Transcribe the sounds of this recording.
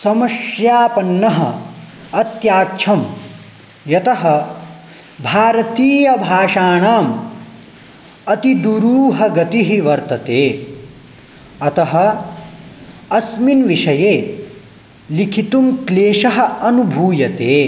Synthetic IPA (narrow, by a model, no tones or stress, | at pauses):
sɐmɐʃjaːpɐnːɐɦɐ̰ | ɐt̪jaːkt͡ʃʰɐm | jɐt̪ɐɦɐ | bʱaːɾɐt̪iːjɐbʱaːʂaːɳaːm | ɐt̪id̪uɾuːɦɐɡɐt̪iɦiʋɐɾt̪ɐt̪eː | ɐt̪ɐɦɐ̆ | ɐsminʋiʂɐjeː | likʰit̪umkleːʃɐɦɐ̆ɐnubʱuːjɐt̪eː